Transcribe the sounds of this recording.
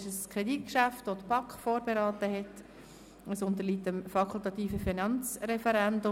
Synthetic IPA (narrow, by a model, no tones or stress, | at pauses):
ʃəskʰɾedit̚kʃæftvodb̥ɑkχfoːɾbeɾɑːtəɦɛt | əsʊnt̪əɾliːtəmfɑkʰʊlˠtɑt̪iːfəfinɑnt͡sɾɛfəɾændʊ